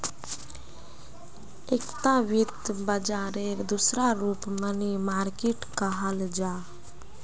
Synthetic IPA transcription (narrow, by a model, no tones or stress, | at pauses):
ekt̪aʋɪt̪bəd͡ʒaːɾeɾd̪usɾaɾuːpmənimaːɾkeʈkaɦəld͡ʒaː